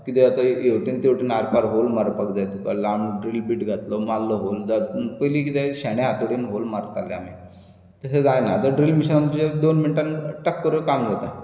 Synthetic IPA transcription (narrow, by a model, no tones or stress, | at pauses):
kit̪ɛat̪aewʈint̪ewʈiːnaɾpaɾɦolmaɾpəkd͡zajt̪ukalamɖɾiːlbiːʈɡʱat̪lomalːəɦold͡zat̪pəlikit̪eɕaɽ̃aat̪uɽinɦolmaɾt̪alja̰mi | t̪əɦed͡zajnat̪əɖɾiːlmiɕənant̪ud͡ʑed̪onminʈanʈəkːəɾukamd͡zat̪a